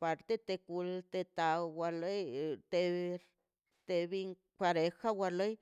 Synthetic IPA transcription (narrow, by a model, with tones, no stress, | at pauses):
pa˧ɾt̪e˦t̪e˧ku˧lt̪e˧t̪a˨wa˧le˦jt̪e˧ | t̪e˧bi˧ŋ | kʷa˧ɾe˧xa˦wa˧lo˦j